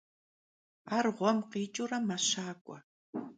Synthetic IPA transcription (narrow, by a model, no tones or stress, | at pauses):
aɾʁʷamqiːt͡ʃʼʊɾamaʃaːkʷa̰